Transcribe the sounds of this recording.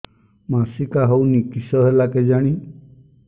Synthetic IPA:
masikaɦɔwnikisɔɦelaked͡ʒaɽ̃i

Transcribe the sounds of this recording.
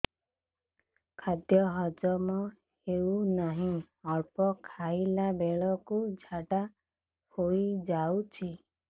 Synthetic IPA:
kʰad̪jɔɦɔd͡ʒɔmɔ | hewnaɦĩ | ɔɾpɔkʰailabeɭɔkud͡ʒʱaɖa | hoid͡ʒawt͡ʃʰi

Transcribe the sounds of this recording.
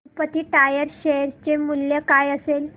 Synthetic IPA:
pət̪iːʈajəɾɕeɦəɾt͡ɕemuljəkajəsel

